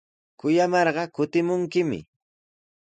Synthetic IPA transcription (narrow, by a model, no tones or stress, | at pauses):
kʊjamɑɾɢɑkʊt̪ɪmʊŋkɪmɪ̰